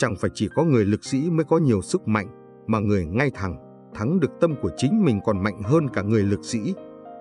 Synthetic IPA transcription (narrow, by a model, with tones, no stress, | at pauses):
t͡ɕa˧˩ŋfaː˧˩jt͡ɕi˧˩kɔ˨˦ŋɨ˨˩əjlɨ˨˩k̚sḭ˧˥məː˨˦jkɔ˨˦ɲi˨˩əwsɨ˦˥k̚ma̰˧˨jŋ̟ | maː˨˩ŋɨ˨˩əjŋa˧jt̪ʰa˨˩ŋ | t̪ʰa˨˦ŋɗɨ˨˩ək̚t̪ə˧mku˧˩ət͡ɕï˨˦ŋ̟mï˨˩ŋ̟kɔ˨˩nma̰˧˨jŋ̟ɦəː˧nkaː˧˩ŋɨ˨˩əjlɨ˨˩k̚sḭ˧˥